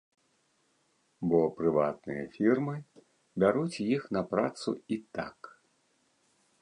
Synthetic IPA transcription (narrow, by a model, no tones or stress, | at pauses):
bɔpɾɨva̰t̪nɨjɐ̰fʲirmɨ | bʲaɾut͡sʲjixnɐpɾa̰t̪sṵit̪a̰k